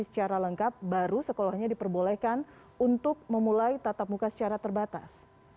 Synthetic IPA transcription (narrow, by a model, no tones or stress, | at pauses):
isə̥t͡ʃaɾaləŋkap̚baɾusəkolɔhɲadipərbolɛhkan | unt̪ʊk̚məmulajt̪at̪ap̚mukasə̥t͡ʃaɾat̪ərbat̪a̰s